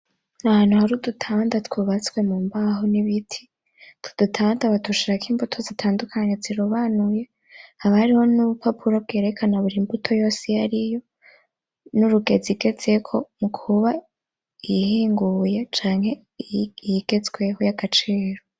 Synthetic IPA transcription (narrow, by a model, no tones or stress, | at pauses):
nahaːnuhaɾudutʰaːndatwuβat͡skwe̞muːmbaɦoniβitʰi̥ | tu̥d̥utʰaːndaβatuʃiɾakʰiːmbutʰo̞zitʰaːndukʰaɲeziɾuβaːnuje̞ | haβahaɾiho̞nuβupʰapʰuɾob̚ɡe̞ːɾe̞kʰanaβuɾimbutʰo̞jo̞ːsejaɾijo̞ | nuɾuɡe̞ziɡe̞z̥e̞kʰo̞mukʰuβa | ijihiːŋɡuje̞t͡ʃaːŋhe̞ | jiɡe̞zɡwe̞hojaɡ̥at͡ʃiːɾo